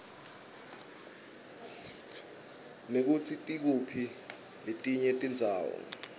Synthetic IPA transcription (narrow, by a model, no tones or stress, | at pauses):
nek̬ut͡sʰitʼik̬upʰi | letʼiɲɛtʼind͡zʱaːwɔ̰